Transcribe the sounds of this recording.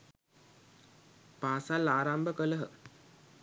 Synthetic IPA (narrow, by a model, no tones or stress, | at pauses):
paːsalːaːɾambəkələɦə